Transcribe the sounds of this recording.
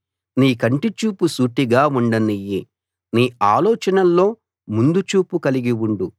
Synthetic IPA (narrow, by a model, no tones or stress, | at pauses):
niːkɐɳʈit͡ʃuːpusuːʈiɡaːuɳɖɐniji | niːaːlɔːt͡ʃɐnɐlːo̞ː | mund̪ut͡ʃuːpukɐliɡiwuɳɖu